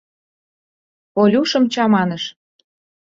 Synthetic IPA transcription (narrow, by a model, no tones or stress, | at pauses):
olʲuʃɤ̆mt͡ɕɑmɑnə̆ʃ